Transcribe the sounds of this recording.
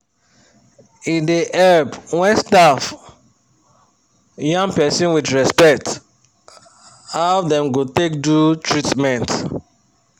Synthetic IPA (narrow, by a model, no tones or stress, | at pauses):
ĩndiʔɛbwɛ̃nstaf | jãŋpɛsɔ̃nwidɹɛspɛk̚t | hawdɛ̃mɡotek̚dutʰɹitmɛ̃nt